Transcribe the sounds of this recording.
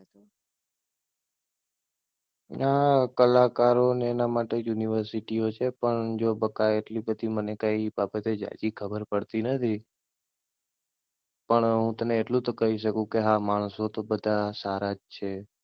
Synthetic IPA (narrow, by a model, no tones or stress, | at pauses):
nakəlakaɾoneːnamaʈejuniʋəɾsiʈiot͡ʃʰepəɳd͡ʒobəkːaeʈlibəd̪ʱimənekaibabət̪ed͡ʒa̰d͡ʒikʰəbəɾpəɽt̪inət̪ʰi | pəɳɦũt̪əneːʈlũt̪okəɦiʃəkũkeɦamaɳ̃sot̪obəd̪ʱasaɾad͡ʒt͡ʃʰe